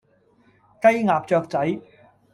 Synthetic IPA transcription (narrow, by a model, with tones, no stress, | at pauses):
kɐ˥jŋaː˨p̚t͡ʃœː˧k̚t͡sɐ˨˥j